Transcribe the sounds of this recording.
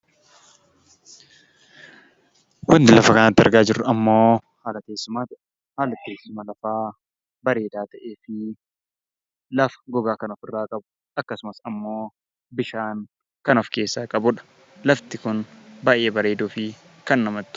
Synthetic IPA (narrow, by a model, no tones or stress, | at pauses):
wɐnd̪ɪlɐfɐkɐnaːt̪ːɪɐ̰ɾɡaːd͡ʒɪrːʊɐmːo̞ː | haːlɐt̪eːsːʊmaːt̪ɐʔ | haːlɐt̪ːeːsːʊmɐlɐfaː | bɐɾe̞ːd̪aːt̪ɐʔeːfɪ | lɐfɐ̥ɡɔɡaːkɐnɔfɪrːaːkʼɐbʊ̥ | ʔɐkːɐsʊmɐsɐmːo̞ː | bɪʃaːn | kɐnɔfke̞ːsːaːkʼɐbʊᶑɐ̥ | lɐft̪ɪkʊnbaːʔe̞ːbɐɾe̞ːd̪uːfɪ | kɐnːɐmɐt̪ː